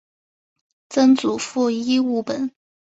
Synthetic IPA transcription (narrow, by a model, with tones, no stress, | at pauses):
t͡sə˥nt͡su˨˩fu˥˧i˥u˥˩pə˨˩˦n